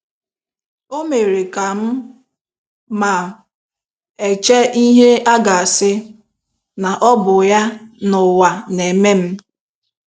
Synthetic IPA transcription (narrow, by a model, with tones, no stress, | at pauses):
o˦me˨ɾe˨ka˨m̩˦ | ma˨ | e˨t͡ʃe˦i˦ɦe˦a˦ɡa˨a˨sɪ˦ | na˨ʔɔ˦bʊ˨ja˦nʊ˨wa˨ne˨me˦m̩˦